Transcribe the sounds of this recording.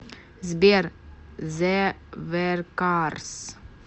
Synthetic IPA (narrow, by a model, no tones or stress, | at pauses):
zbiɾ | zɛvɛɾkaɾs